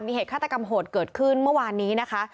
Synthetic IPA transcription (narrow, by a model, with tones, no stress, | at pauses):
miː˧eː˨˩t̚kʰaː˥˩t̪̚ːa˧ka˧mɦoː˨˩t̪̚kɤː˨˩t̪̚kʰɯ˥˩nmɯ˥˩ɐwaː˧nːiː˦˥na˦˥kʰa˦˥